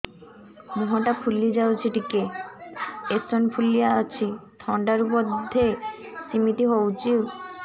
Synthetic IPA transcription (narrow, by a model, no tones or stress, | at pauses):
muɦaʈapʰulid͡ʑawsʰeʈike | esonpʰulijaat͡ɕʰit̪ʰɔɳɖaɾupɔd̪ʱːe | simit̪iɦowt͡ɕiw